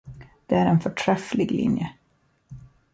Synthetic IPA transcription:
d̪̥ɛæɾɛnfœʈʰɾɛflɪɡlɪ̰njə

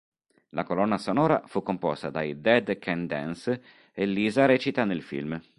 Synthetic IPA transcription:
lʔakolɔnːasonɔːɾa̰fukːompɔ̰st̪ad̪ajd̪ɛd̪kʰɛnd̪ɛ̰ns | elːiːzaɾɛːt͡ʃit̪anelfḭlm

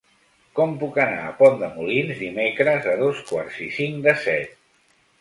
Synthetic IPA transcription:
kɔmpukəna̰əpɔnd̪əmulinzd̪imekɾəzəðoskwaɾz̥isiŋkd̪əsɛt̪̚

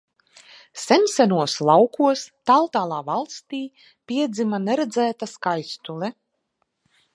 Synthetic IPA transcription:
sɛmʲsænuɔslˠawkuɔst̪alˠt̪aːlˠaːvalˠst̪iː | pʲiɛd̪zimanɛɾɛd̪zæːt̪askajst̪ulɛ

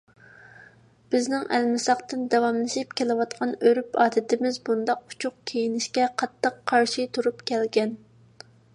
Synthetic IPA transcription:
b̥ɪznɪŋʔɛlmɪsɑχt̪ɨnd̪ɛwɑmlˠɨʃipkʲʰelɨwɑt̪qʰɑnøɾypɑːd̪ɪt̪ɪmɪzbund̪ɑqu̥t͡ʃʰʊq̚kʲʰejinɪʃkʲɛqʰɑt̪ʰːɨqʰːɑɾʃit̪ʰuɾupkʲʰɛlɡʲɛn

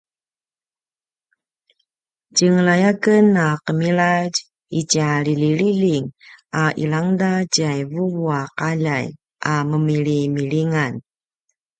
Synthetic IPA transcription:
cəŋəlajakənaqəmiɭaɟ | icialiliɭiliŋaʔḭlaŋdat͡ɕiajvuvuaqaʎaj | ʔaməmiɾimiɭiŋan

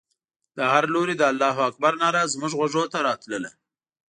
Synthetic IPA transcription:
d̪̥əɦaɾloɾid̪əalːɑɦoak̚baɾnɑɾazmʊʒɣwaʐot̪aɾɑt̪ləla

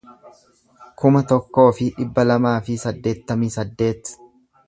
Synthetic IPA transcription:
kʊmɐt̪ɔkːo̞ːfɪᶑɪbːɐlɐmaːfɪsɐd̪ːe̞ːt̪ːɐmiːsɐd̪ːe̞ːt̪

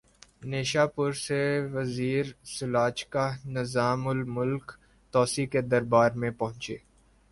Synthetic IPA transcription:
neːʃaːpʊɾseʋɐziːɾsʊlaːt͡ʃkanɪzaːmʊlmʊlk | t̪ɔːsiked̪ɐɾbaːɾmẽpɐɦʊ̃nt͡ʃeː

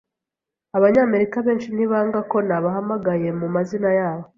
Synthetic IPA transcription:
aβaɲaːme̞ɾikaβe̞ːnʃin̥iβaːŋɡako̞naβaɦamaɡaje̞mumazinajaːβo̞

